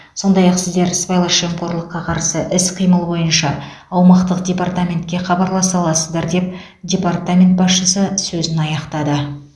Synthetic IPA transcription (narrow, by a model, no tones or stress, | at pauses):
so̞nd̪ɑjɑqsɪzd̪e̞ɾspɑjlˠɑʃemqo̞ɾlˠəqːɑqʰɑɾsəʔɪsqʰijməlˠbo̞jənʃɑː | wmɑqt̪əq̚dʲe̞part̪amʲe̞nt̪̚kʲe̞χɑbɑɾlˠɑsɑlˠɑsəzd̪ɑɾd̪e̞p̚ | dʲe̞part̪amʲe̞nt̪̚bɑsʃəsəsɵzɪnɑjɑqt̪ɑd̪ə